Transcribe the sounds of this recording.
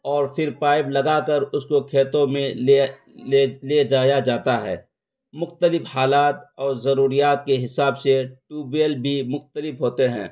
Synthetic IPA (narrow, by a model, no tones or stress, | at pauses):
ɔːɾfɪɾpaːɪblɐɡakɐɾʊskokʰeːt̪õmẽe | leled͡ʒaːjad͡ʒaːt̪aɦɛ̰ː | mʊxt̪əlɪfhaːlaːt̪ɔːɾzɐɾuːɾijaːt̪keɦɪsaːbseʈuːbiəlbʱimʊxt̪əlɪfɦoːt̪eɦɛ̰̃ː